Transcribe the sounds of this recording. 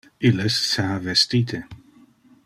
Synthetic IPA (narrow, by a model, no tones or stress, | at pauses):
ilesːeavest̪iːt̪ʰe